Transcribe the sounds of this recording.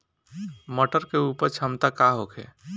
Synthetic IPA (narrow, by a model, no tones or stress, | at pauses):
məʈəɾkeupəɾt͡ʃʰəmt̪akaɦokʰḛ